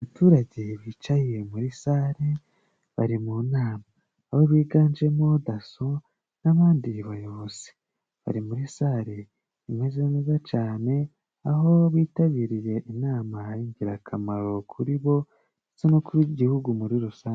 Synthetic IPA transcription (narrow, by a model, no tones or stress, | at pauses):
aβatuːɾaɟeβiːt͡ʃajije̞muɾisaɾe | βaɾimunaːmaː | βo̞βiːɡaːnd͡ʒe̞mo̞daso | naβaːndiβajoβoz̥i̥ | βa̰ɾimuɾisaːɾe | imezenezat͡ʃaːne̞ | aɦo̞βiːtaβiːɾije̞ʔinaːmajiːɲɟiɾakʰamaɾo̞kʰuɾiβo̞ | it͡senokuɾiɟihuɡumuɾiɾusaːɲ